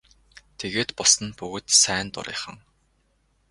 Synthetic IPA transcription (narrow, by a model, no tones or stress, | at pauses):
t̪ʰeɣeːt̪pʊsə̆npɵɣɵ̆t̪sæːnt̪ʊ̰ɾḭːχə̆ŋ